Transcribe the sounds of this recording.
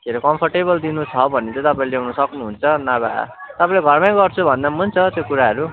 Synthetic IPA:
keɾokʌmpʰʌrʈeβʌld̪inut͡sʰʌbʱʌnːet̪ʌ̃t̪ʌpãĩlejawnʌsʌknuɦunt͡sʰʌnaβa̰t̪ʌpãĩleɡʱʌrmãj̃ɡʌrt͡sʰubʱʌnd̪amunt͡sʰʌt̪jokuɾaɦʌɾu

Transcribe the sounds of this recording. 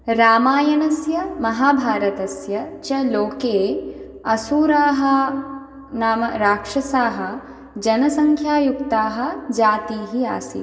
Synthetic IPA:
ɾaːmaːjɐnɐsjɐmɐɦaːbʱaːɾɐt̪ɐsjɐt͡ʃɐloːkeː | ɐsuːɾaːɦɐ̆ | naːmɐɾaːkʂɐsaːɦɐ̆ | d͡ʒɐnɐsɐŋkʰjaːjukt̪aːɦɐ̆d͡ʒaːt̪iːɦia̰ːsḭ

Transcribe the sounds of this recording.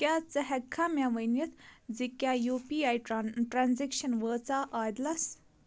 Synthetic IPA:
kʲaːt͡sɐɦɛkʰːamʲãːʋənjɐt̪ʰzikʲjaːjuːpiːaːjʈɾanzikʃɐnʋəːt͡saːʔaːjd̪lɐs

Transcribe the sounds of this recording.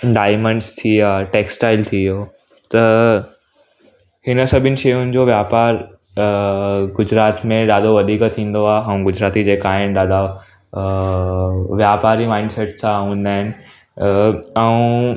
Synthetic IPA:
ɖaːɪmə̃ɳɖst̪ʰiaːʈeːksʈaːɪlt̪ʰijot̪ɐ | hɪnəsɐbʱɪnɪ̆ʃɐjʊnɪ̆d͡ʑoːʋjaːpaːɾ | ɡʊd͡ʑɾaːt̪mẽɗaːd̪ʱoʋɐd̪ʱiːkt̪ʰĩːn̆d̪oaːɦeɦɐ̃ũɡʊd͡ʑɾaːt̪id͡ʑeːkaːɦɪnɗaːd̪a | ʋjaːpaːɾimaːɪ̃ɳɖsɛʈsʰãɦũːnd̪aːɦɪnɪ̆ | ɛũ

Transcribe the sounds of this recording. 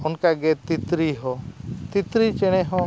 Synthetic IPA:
ɔnkaɡɛt̪it̪ɾiɦɔt̪it̪ɾit͡ʃɛɽ̃ɛɦɔ̃

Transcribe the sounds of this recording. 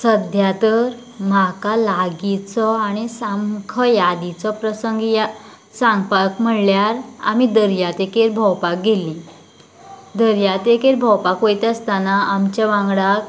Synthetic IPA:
səd̪ʱjat̪əɾ | makalaɡit͡sɔaɽ̃isamkʰəjad̪it͡sɔpɾəsəŋɡja | sãŋɡpakm̤əɽljaɾa̰mid̪əɾjat̪ekeɾbʱɔwpak̚ɡelːĩ | d̪əɾjat̪ekeɾbʱɔwpakʋojt̪əst̪anaamt͡ɕaʋãŋɡɽak

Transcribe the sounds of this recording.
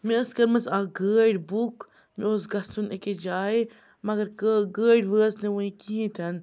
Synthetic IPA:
mẽəskɐɾmɐsaːɡəːɖbuk | mĩoːsɡɐsuneked͡ʒaːe | mɐɡɐɾkəɡəːɖʋəːsnẽʋəĩkiɦĩt̪ʰɐn

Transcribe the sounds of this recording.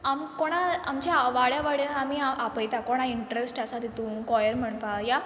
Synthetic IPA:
amkoɽ̃aamt͡ɕjaʋaɭjaʋaɭjaamiːaʔapəjt̪akoɽ̃aiɳʈɾesʈasad̪it̪ũːkɔjəɾm̤əɳpaja

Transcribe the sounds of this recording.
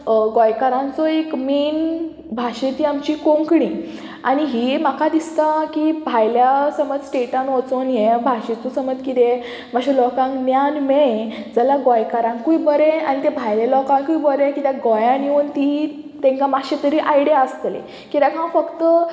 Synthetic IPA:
ɡɔjkaɾãnt͡sɔekmiːn | bʱaɕit̪iamt͡ɕikõŋkɽĩ | a̰ɽ̃iɦimakʰad̪ist̪akibʱajljasəməd͡zsʈeʈãnot͡sonjebʱaɕĩt͡susəməd͡zkit̪e | maɕilɔkãŋknjanme | d͡zəlaɡɔjkaɾãŋkkuibəɾeañit̪ẽbʱajlalɔkãŋkuibəɾẽkit̪ãɡɔjãniunt̪i | t̪ẽŋkamaɕet̪əɾiʔajɽjaəst̪lḛ̃ | kit̪ãkãfəkt̪ə

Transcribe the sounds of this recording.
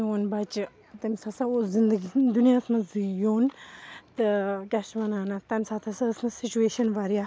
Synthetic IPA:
oːnbɐt͡ʃ | t̪ɐmʲsasaoːzind̪əɡid̪unijasmɐzujoːnt̪ɨkʲɛʃʋɐnaːnat̪ɐmʲsat̪ʰɐsɐsmɐsit͡ʃueːʃɐnʋaɾija

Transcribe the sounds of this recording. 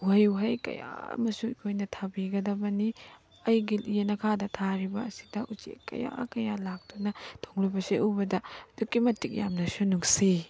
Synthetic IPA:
uɦɐjuɦɐjkɐ̰ja̰mɐsuikʰojnɐtʰabiɡɐdɐbɐni | ɐjɡiljenɐkʰadɐtʰaɾibɐːsi̥dɐʔut͡ʃḛkːɐ̰ja̰kɐjalak̚d̥unɐtʰoŋlobɐseʔubɐdɐdukːimɐtʰːik̚jamnɐsunuŋsi

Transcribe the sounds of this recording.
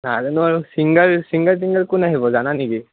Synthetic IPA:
nazɛnuaɹusiŋɡəlsiŋɡəls̬iŋɡəlkunaɦibɔzananiki

